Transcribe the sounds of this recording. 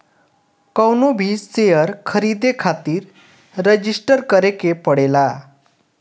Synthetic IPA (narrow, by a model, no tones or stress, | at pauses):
kəwnobʱiːst͡sejəɾkʰəɾid̪ekʰat̪iːɾː | əd͡ʑisʈəɾkəɾekepəɽela